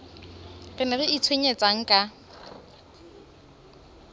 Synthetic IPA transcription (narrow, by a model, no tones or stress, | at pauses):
rɪnɛrɪit͡sʰweɲet͡sʼaŋ̩kʼa